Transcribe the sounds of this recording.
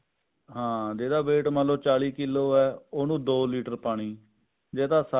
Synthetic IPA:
ɦãːd͡ʒeːd̪aːbeːʈməloːt͡ʃaːliːkɪlːoːɛːoːnũːd̪oːliːʈəɾpaːɽ̃iː | d͡ʒeːd̪aːsa

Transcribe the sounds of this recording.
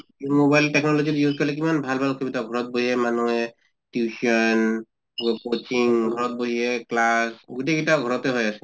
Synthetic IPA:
mobajltɛknɔlozitjuzkɔlɛk̬imanbʱalbʱalkʰebitaɡʱɔɹɔt̚boɦiɛmanɔɛ | tjuʃɔn | wɛbkot͡ʃiŋɡʱɔɹɔt̚boɦiɦɛklasɡutɛɡitaɡʱɔɹɔtɛɦɔjasɛ̥

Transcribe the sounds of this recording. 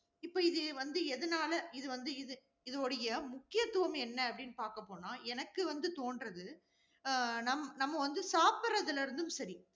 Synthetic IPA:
ɪpːoːɪðɯʋɐnd̪ɯɛðɐnaːlɐɪðɯʋɐnd̪ɯɪðɯ | ɪðoːɽɐjɐmʊkːɪjɐt̪ːɯʋɐmɛnːɐɐpːɐɽɪnːɯpaːɾkɐpːoːnaːʔɛnɐkːɯʋɐnd̪ɯt̪oːnɖɾɐðɯ | nɐmːɐnɐmːɐʋɐnd̪ɯsaːpɪɾɐðɪlɪɾɯnd̪ɯmsɐɾi

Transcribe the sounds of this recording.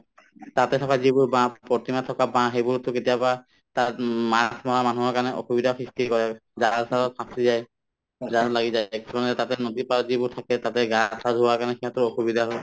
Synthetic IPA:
tatɛtʰɔkazibʊɹbãpɔtimatʰɔkabãɦejbʊɹtʊketijapa | tatmasʰmɔɹamanuɦɔkaɹnɛʔo̰xubidʱaxɹistikɔɹɛzasʰaɹɔt̚pʰãsizaj | zalaɡizajksʰɔmanɛtatɛnodipaɹɔzibʊɹtʰakɛtatɛɡatʰadʱuwakaɹnɛkʰiatɔɹoxubidʱaɦɔj

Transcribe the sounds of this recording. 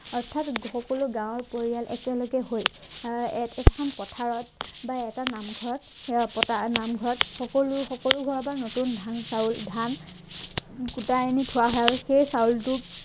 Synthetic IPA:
ɔɹtʰatxɔkɔluɡãwɔɹpoɹijalʔɛ̰kɛloɡɛɦoj | ɛksʰɔnpɔtʰaɹɔtbaɛtanamɡʱɔɹɔtpɔtanamɡʱɔɹɔtxɔkoluxɔkɔluɡʱɔɹɔbanotundʱansauldʱan | kutanitʰʊwaɦɔjaɹuxejsaultʊ

